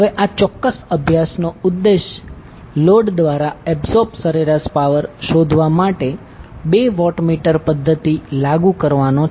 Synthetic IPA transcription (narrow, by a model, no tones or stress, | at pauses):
ɦəʋeʔat͡ʃɔkːəsəbʱjasnoud̪ːeʃ | loɖd̪ʋaɾaɛbsɔpsəɾeɾaspaʋəɾʃod̪ʱʋamaʈe | beʋɔʈmiʈəɾpəd̪ʱːət̪ilaɡukəɾʋano